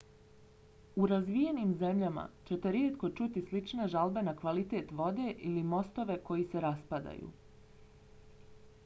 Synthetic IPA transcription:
uɾazʋije̞niːmze̞mʎama̰t͡ɕe̞t̪e̞ɾjeːt̪ko̞t͡ʃut̪islit͡ʃneʒalbe̞nakʋalit̪e̞ːt̪ʋo̞d̪e̞ʔilimo̞st̪o̞ʋe̞ko̞jise̞ɾaspad̪a̰jṵː

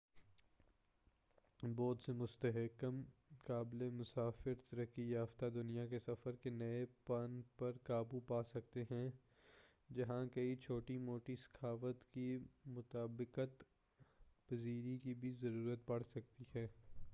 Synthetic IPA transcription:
bɔːd̪semʊst̪əɦəkəmkaːblemʊsaːfɪɾt̪ɐɾəkijaːft̪ad̪ʊnijakesɐfəɾkenɐepɐnpɐɾkaːbupaːsɐk̚t̪eɦɛ̃ | d͡ʒɐɦãkɐit͡ʃʰoːʈimoːʈisɐ̥kʰaːʋət̪kimʊt̪aːbɪqət̪ | pɐziːɾikibʱizɐɾuːɾət̪̚pɐɽsɐk̚t̪iɦɛː

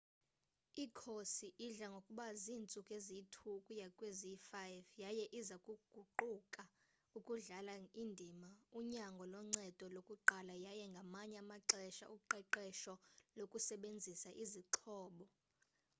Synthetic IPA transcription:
ikʰosiʔiɮaŋɡʱokʼuɓaziːnt͡sʼukʼezitʰukʼujakʼwezifajvjajɛʔizakʼuɡ̥ʱuǃukʼa | ukʼuɮalaindʱimauɲaŋɡʱɔlɔŋ͡ǀɛd̥ʱɔlokʼuǃalajajɛŋɡʱamaɲɛamaǁɛʃa̰ʔuǃɛǃɛʃɔlokʼusɛɓend͡zʱisaʔiziǁʰɔːɓɔ

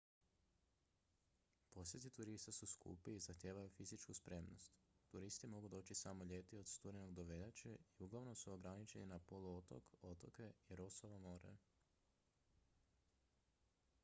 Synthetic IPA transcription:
po̞sje̞t̪it̪uɾist̪asuskṵpiːzaxt̪ʲjeːʋajufizit͡ʃkuspɾe̞mno̞st̪ːuɾist̪imo̞ɡud̪o̞ːt͡ɕisamo̞ʎe̞ːt̪io̞d̪st̪uɾeno̞ɡd̪oʋeʎat͡ʃeiuɡlˠaʋnosuoɡɾanit͡ʃeninapo̞luot̪o̰kot̪oke̞iɾo̞soʋamoːɾa̰ju

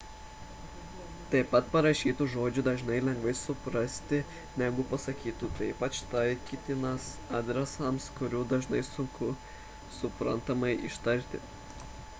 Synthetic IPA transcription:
t̪ɐɪpɐt̪pɐɾɐʃʲiːt̪uːʒoːd͡ʒʲʊd̪ɐʒnɐɪlʲɛŋɡʋɐɪsʊpɾɐsʲt̪ʲɪ | nʲæɡʊpɐsɐkʲiːt̪ut̪ɐɪpɐt͡ʃt̪ɐɪkʲiːt̪ʲɪnɐsɑːd̪ʲɾʲɛsɐmskʊɾʲuːd̪ɐʒnɐɪsʊŋkʊ | sʊpɾɐ̰nt̪ɐmɐɪʔɪ̰ʃt̪ɐɾʲt̪ʲɪ̰

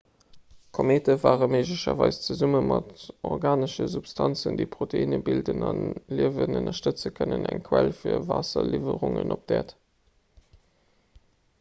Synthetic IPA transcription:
kʰomeːtəvaːʁəmeɪʒləʃɐvɑɪst͡səzuməmɑtɔʁɡaːnəʃəzupstʰɑnt͡səndiːpχoteinəbildənɑnliəvənənɐʃtət͡səkʰənənæŋkʰwælfiːɐvaːsɐlivəʁʊŋənʔop̚d̥æːt

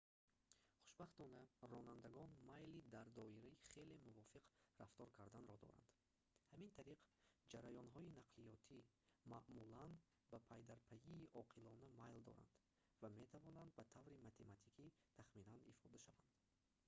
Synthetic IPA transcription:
χu̥ʃbaχt̪ɔnærɔnand̪æɡɔnmajlid̪aɾd̪ɔiɾɛiχe̞le̞muvɔfiqraft̪ɔɾkʰaɾd̪anɾɔd̪ɔ̰ɾa̰nd̪̥ | hæmint̪ʰaɾiqd͡ʒaɾajɔnɦɔinaqʰlijɔt̪ʰi | maʔmulan | bæpʰæjd̪aɾpʰæiːʔɔqʰilɔnæmajld̪ɔ̰ɾa̰nd̪ | vame̞t̪ʰavɔnand̪bæt̪ʰavɾimat̪ʰe̞mat̪ʰikʰi | t̪ʰaχminanifɔd̪aʃavand̪̥

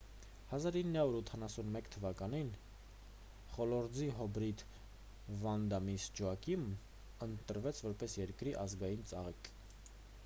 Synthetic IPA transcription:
hɑzɑɾinːɑuɾut̪ʰɑnɑsunmɛkt̪ʰəvɑkɑnin | χɔlɔɾd͡ziɦɔbɾit̪ | vɑnd̪ɑmisd͡ʒuɑkim | ənt̪əɾvɛt͡sʰvɔɾpɛsjɛɾkɾiʔɑzɡɑjint͡sɑ̰ʁik

